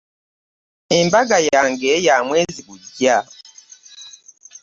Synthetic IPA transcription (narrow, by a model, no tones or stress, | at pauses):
embaɡajaːŋɡejaːmwe̞ːziβuɟːa